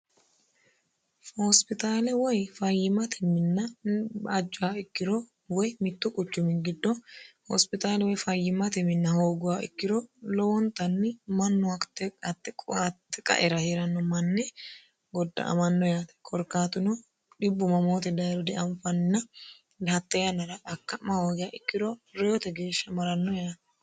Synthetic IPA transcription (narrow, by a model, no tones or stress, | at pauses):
hɔspɪt̪aːlɛwɔjfɐjːɪmɐt̪ʰɪmɪnːɐː | d͡ʒːʊhaːɪkːɪɾo | wɔjmɪt̪ːʊkʼʊt͡ʃːʊmɪnɡɪd̪ːɔhɔ̰spɪt̪aːlɛwɔjfɐjːɪmɐt̪ɪmɪnːɐhoːɡʊaʔɪ̰kːɪɾoːlɔwɔnt̪ɐnːɪmɐnːʊakt̪ːɛkɐt̪ːɛkʼt̪ːɛkʼɐ̰ʔɛɾɐhɛɾɐnːɔmɐnːɛ | ɡɔd̪ːɐ̰ʔmɐnːɔjaːt̪ɛ̥kʰɔɾkːaːt̪ʊnɔ | ᶑɪbːʊmɐmoːt̪ɛd̪ɐjɾɔd̪ɛʔɐmfɐnɪnːɐ | dɐt̪ːɛjɐnːɐɾɐɐkːɐmɐhoːɡɪjaːɪkːɪd̪ɔɾɛjɔt̪ɛɡe̞ːʃːɐmɐɾɐnːɔjat̪ɛ̥